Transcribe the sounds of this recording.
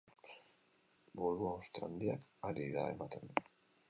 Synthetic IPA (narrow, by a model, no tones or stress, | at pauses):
boɾuaost̪eand̪iakaɾiða̰e̞̰mat̪end̪u